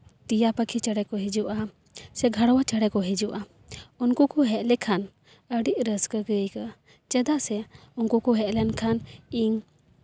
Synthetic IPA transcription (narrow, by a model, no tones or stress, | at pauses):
t̪ijapəkʰit͡ʃəɽɛkɔɦid͡ʒuʔa | sɛɡʱaɽɔwat͡ʃəɽɛkɔɦid͡ʒuʔa | unkukɔɦɛʔlɛkʰan | əɽiʔɾəskəɡəjka | t͡ʃɛd̪aʔsɛunkukɔɦɛʔlɛnkʰaniŋ